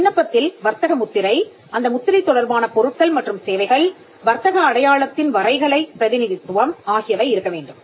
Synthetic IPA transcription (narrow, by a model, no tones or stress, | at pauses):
ɪnːɐpːɐt̪ːɪlʋɐɾt̪ɐɣɐmʊt̪ːɪɾɐɪ | ɐnd̪ɐmʊt̪ːɪɾɐɪt̪ːɔɽɐɾbaːnɐpɔɾɯʈ̚kɐɭmɐʈrɯmseːʋɐɪɣɐɭ | ʋɐɾt̪ɐɣɐːɽɐjaːɭɐt̪ːɪnʋɐɾɐɪɣɐɭɐɪpɾɐðɪnɪðɪt̪ːʊʋɐmaːɣɪjɐʋɐɪɪɾɯkːɐʋeːɳɖɯm